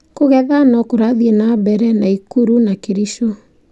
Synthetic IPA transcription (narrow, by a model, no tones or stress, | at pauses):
koɣɛðanɔkoɾaðienabɛɾɛnaikuɾunakeɾisto